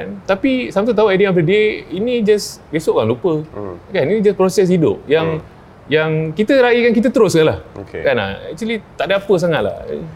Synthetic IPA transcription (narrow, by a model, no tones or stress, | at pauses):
ka̰nt̪apisamt̪ut̪auajdimafədiəinid͡ʒasbesoʔkaŋlupəkaninid͡ʒaspɾɔsɛs̬idʊ̰p̚jaŋ | jaŋkit̪əɾaikankit̪ət̪əɾʊskalahokḛkana̰ɛ̰k̚t͡ʃwəlit̪aʔdaapəs̬aŋat̪̚la̰h